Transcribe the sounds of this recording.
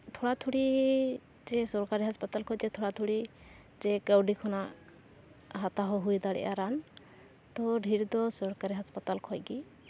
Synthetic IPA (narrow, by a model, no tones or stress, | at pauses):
t̪ʰɔɽat̪ʰuɽi | d͡ʒɛsɔɾkaɾiɦaspat̪alkʰɔjd͡ʒɛt̪ʰɔɽat̪ʰuɽi | d͡ʒɛɡəwɖikʰɔna | ɦat̪aɦɔɦujd̪aɽɛ̰ʔa̰ɾan | t̪ɔɖʱiɾd̪ɔsɔɾkaɾiɦaspat̪alkʰɔjɡi